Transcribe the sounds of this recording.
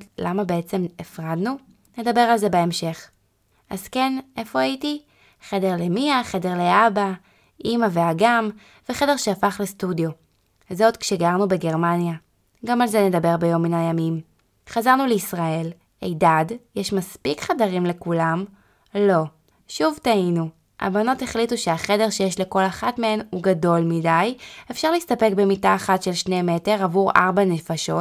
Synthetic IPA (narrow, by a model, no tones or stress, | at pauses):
lamabeet͡se̞mefʁadnu | ne̞dabe̞ʁalze̞beemʃe̞χ | ʔazke̞nʔe̞fo̞ajiti | χe̞de̞ʁlemiaχe̞de̞ʁleaba | ʔimaveaɡam | veχe̞de̞ʁʃeafaχlestudjo̞ | zotkʃeɡaʁnube̞ɡe̞ʁmanja | ɡamalzene̞dabe̞ʁbejo̞mːinajamim | χazaʁnuleisʁae̞l | ejdadjeʃmaspikχadaʁimle̞kulam | lo̞ | ʃuvtainu | ʔa̰bano̞te̞χlituʃe̞aχede̞ʁʃe̞jeʃle̞ko̞laχatme̞henuɡado̞lmidajefʃaʁleistape̞kbe̞mitaːχatʃe̞lʃne̞me̞te̞ʁavuʁʔa̰ʁbane̞faʃo̞t